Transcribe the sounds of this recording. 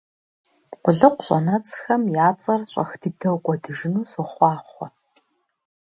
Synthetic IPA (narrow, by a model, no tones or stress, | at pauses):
qʷʊɮɨqʷɕʼɐnɐt͡sʼxɐmjaːt͡sʼɐrɕʼɐxdʰidʰɐwkʷʼɔdɨʒɪnuːsɨχʷɑːχʷɔ